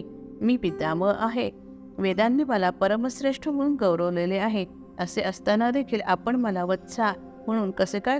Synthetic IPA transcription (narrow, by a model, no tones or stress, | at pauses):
miːpit̪aməʔaɦe | ʋed̪anːiːməlapəɾəməsɾeʂʈʰəm̤əɽuːnɡəwɾəʋleleaɦe | əseʔəst̪anad̪ekʰiːlapəɳməlaʋət̪sa | m̤əɽ̃uːnkəsẽkaj